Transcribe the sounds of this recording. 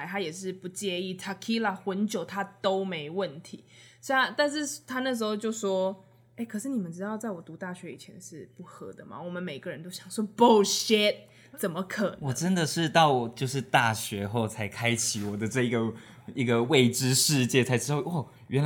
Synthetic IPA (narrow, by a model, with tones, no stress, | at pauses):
ɪt̪ʰa˥jɛ˨˩ʂɻ̩˥˩pu˧˥t͡ɕjɛ˥˧i˥˩t̪ʰa˧˩kʰi˥la˨˩xwə˧˥nt͡ɕjo˨˩ʊt̪ʰa˦t̪o˥ʊme˧˥ɪwə˥˩nt̪ʰḭ˧˥˦sŋt̪a˥˧nʂ̬ɻ̩˥˩t̪ʰa˥nə˥˩ʂ̬̩˧˥xo˥˧ʊt͡ɕjo˥˧ʊʂwɔ˥ | e˥˩ɪkʰɤ˨˩ʂɻ̩˥˩ni˨mə˦nʈ͡ʂɻ̩˥t̪ɑ˥˧ʊt͡sa˥˩ɪwɔ˨˩t̪u˧˥t̪a˥˩ɕɥɛ˧˥ḭ˨˩t͡ɕʰjɛ˧˦nʂɻ̩˥˩pu˥˩xɤ˧˥d̪ə˧ma̰˨˩wɔ˨˩mə˦nme˨˩ɪɡ̥ə˦ɻə˧˦nt̪o˥ʊɕjɑ˨˩ŋʂwɔ˥po˥˩ɕɛ˥t̪̚ | t͡sə˨˩nmə˦kʰə˨˩nwɔ˨˦˩ʈ͡ʂə˦nd̪ə˨ʂɻ̩˥˧t̪ɑ˥˩ʊ˨˩t͡ɕjo˥˧ʊʂ̬ɻ̩˥˧t̪a˥˩ɕɥɛ˧˥xo˥˩ʊt͡sʰa˧˥ɪkʰa˥ɪt͡ɕʰi˨wɔ˨˩d̪ə˦ʈ͡ʂɤ˥˩i˧ɡə˩i˧˥ɡə˨we˥˩ɪʈ͡ʂɻ̩˥ʂɻ̩˥˧t͡ɕjɛ˥˩t͡sʰa˧˥ɪʈ͡ʂɻ̩˥o˥˩ɔ˥˩ | ɥʔɛ˧˦n˧